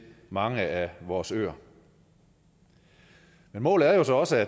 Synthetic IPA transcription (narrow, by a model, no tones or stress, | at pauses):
mɑ̈ŋəæʋɒːsø̰ːɐ | menmɔ̰ːlð̩ˠæɐjo̝sɒ̽ɒ̽səæ